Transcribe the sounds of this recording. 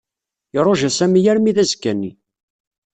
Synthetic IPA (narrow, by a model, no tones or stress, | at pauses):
ɪɾˤoʒæsæmijæɾmiðæzkːænːḭ